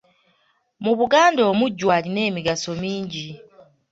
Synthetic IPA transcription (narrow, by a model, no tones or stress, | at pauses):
muβuɡaːndo̞ːmuɟːwaːline̞ːmiɡaso̞miːɲɟi